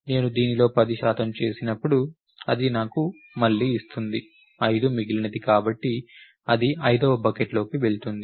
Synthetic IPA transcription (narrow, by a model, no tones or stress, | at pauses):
ne̞ːnud̪iːnilo̞ːpɐd̪iʃaːt̪ɐmt͡ʃe̞ːsinɐpːuɽu | ɐd̪inaːku | mɐɭːiːst̪und̪i | ɐjd̪umiɡilɐnɐd̪ikaːbɐʈːi | ɐd̪iɐjd̪oːbɐkeʈlo̞ːkiʋe̞ɭt̪und̪i